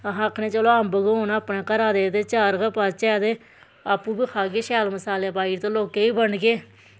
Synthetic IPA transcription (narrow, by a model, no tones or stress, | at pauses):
əɦãːəkʰːɳẽːt͡ʃəloːəmbəɡɦoːnaəpɳẽːkəɾaːd̪eːt̪eːt͡ʃaːɾɡəpaːt͡ʃɛːd̪eː | aːpːũːbiːkʰaːkeːʃɛːlməsaːleːpaːiːɾt̪õːloːkeːiːbəɳɡeː